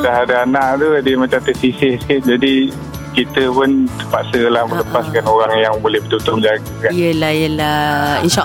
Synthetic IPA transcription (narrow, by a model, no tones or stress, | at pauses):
daɦadaanaʔt̪uadəmat͡ʃamt̪əsisɪhsə̥kɪt̪̚d͡ʒadi | kit̪əpʊnt̪əpaʔsəlahbələpaskanoɾaŋjaŋbolɛhbət̪ut̪ʊmd͡ʒaɡakanjəlajəlahinʃaʔ